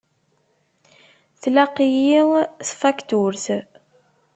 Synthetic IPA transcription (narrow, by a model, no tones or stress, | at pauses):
θlaqijiʁθfakt̪uɾθ